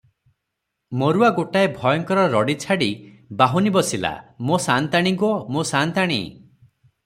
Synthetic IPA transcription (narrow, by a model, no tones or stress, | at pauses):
moɾuaɡoʈaebʱɔjɔŋkɔɾɔɾɔɽit͡ʃʰaɽi | baɦunibɔsila̰mosant̪aɽ̃iŋkuɔmosant̪aɽ̃ḭ